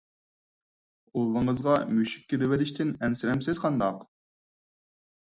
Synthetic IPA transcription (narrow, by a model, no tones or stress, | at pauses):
ulˠːəɴəzʁɑmyʃi̥k̚ʲkʲːiɾɪwɛd̪ɪʃt̪ʰɪnɛnsɪɾɛmsɪzqʰɑnd̪ɑq